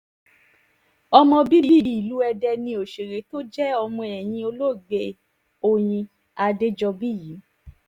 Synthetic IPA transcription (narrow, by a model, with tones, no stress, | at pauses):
ɔ˧mɔ̃˧bi˦i˦i˦i˦˨˦i˨lu˨˦ɛ˧dɛ˧nĩ˧o˨ʃe˨ɾe˨˦to˦d͡ʒɛ˦ɔ˧mɔ̃˧ɛ˨j̃ĩ˧o˧lo˦˨ɡ͡be˧ | o˨j̃ĩ˧ | a˧de˦d͡ʒɔ˧bi˦ji˨˦